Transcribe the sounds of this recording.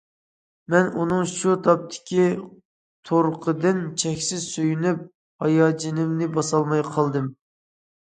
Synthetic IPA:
mɛnʔunɨŋʃut̪ʰɑp̚t̪ʰɪ̥kʲi | t̪ʰoɾqʰəd̪ɨnt͡ʃʰɛkʲsɪzsøjynyp̚ | hɑjɑːd͡ʒinɪmnɪbɑsɑlˠmɑjqʰɑlˠd̪ɨm

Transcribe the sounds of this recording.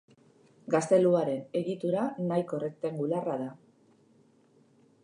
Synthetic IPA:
ɡast̪e̞luaɾe̞ne̞ɣit̪uɾanajko̞rek̚t̪eŋɡularaða

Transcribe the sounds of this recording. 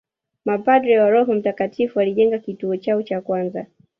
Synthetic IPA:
mapadɾɛwaɾɔɦɔm̩takatʰifualiʄɛŋɡakituɔt͡ʃaɔt͡ʃakwanza

